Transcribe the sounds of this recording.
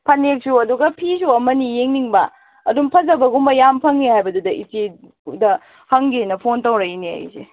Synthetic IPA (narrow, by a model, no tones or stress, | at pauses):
pʰɐnek̚suɐduɡɐpʰisuɐmɐnijeŋniŋbɐ̰ | ɐdumpʰɐzɐbɐɡumbɐjampʰɐŋːihajbɐdudɐʔite | dɐ | hɐŋɡenɐpʰontɐwɾɐinea̰j̰sḛ